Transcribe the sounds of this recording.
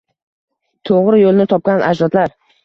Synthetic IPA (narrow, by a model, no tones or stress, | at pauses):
t̪ʰoʁɾɪjolˠnɪt̪ʰɒp̚kʲanʔad͡ʒlɒt̪laɾ